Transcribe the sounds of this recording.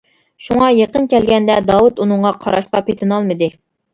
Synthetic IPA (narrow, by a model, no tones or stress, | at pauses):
ʃuŋɑjeqənkʲʰɛlɡʲɛnd̪ɛd̪ɑwut̪unɨɴʁɑqʰɑɾɑʃqɑpet̪ʰɪnɑlˠmɨd̪ɨ